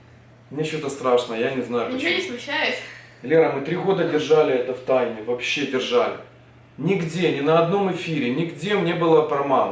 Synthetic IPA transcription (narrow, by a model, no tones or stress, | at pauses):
mnʲet͡ɕot̪əst̪ɾaʂnəəjanʲɪznajʊonʲɪsmʲʊt͡ɕːæjʊsʲ | lʲeɾəmɨt̪ɾʲiɣo̞d̪ədʲɪrʐalʲɪɛt̪əft̪ajnʲɪvɐpɕːe̞dʲɪrʐalʲɪ̰ | nʲɪɡdʲe̞nʲɪnəɐd̪no̞mɪfʲiɾʲɪnʲɪɡdʲe̞mnʲe̞bɨlˠəpɾɐman